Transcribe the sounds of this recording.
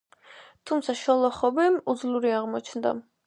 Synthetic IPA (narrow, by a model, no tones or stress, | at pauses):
t̪ʰumt̪sʰaʃɔlˠɔχɔbimud̪zluɾiaʁmɔt͡ʃʰnd̪a̰